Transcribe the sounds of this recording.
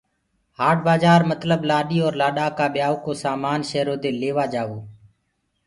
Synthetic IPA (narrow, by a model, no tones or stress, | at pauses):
haːʈ̚baːzaːɾmət̪ləblaːɗiːɔːɾlaːɗaːkaːɓɪjaːʋoːkoːsaːmaːnʃeːɾoːd̪eːleːʋaːd͡ʒaːʋoː